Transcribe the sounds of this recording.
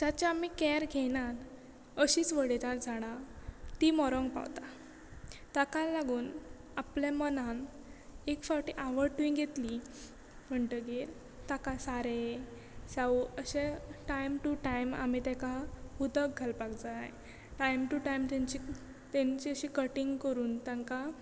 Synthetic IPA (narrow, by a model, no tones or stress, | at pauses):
d͡ʑ̪jat͡ɕaam̤ikɛɾɡʱeñaɾ | əɕiːt͡sʋəɽet̪ãɾd͡zʱaɽ̃at̪imɔɾɔŋɡpa̰ʋt̪a | t̪akalaɡuːn | apljamənan | ekfaʈiʔaʋəɾʈuĩŋɡɡʱet̪li | m̤əɳʈəɡel | t̪akasaɾe | saʋəɕeʈajmʈuʈajma̰mit̪ɛ̃kahud̪əkɡʱalpakd͡za | ʈajmʈuʈajmt̪ẽɲt͡ɕi | t̪ɛ̃ɲt͡ɕiəɕikəʈiŋɡkəɾuːnt̪aŋka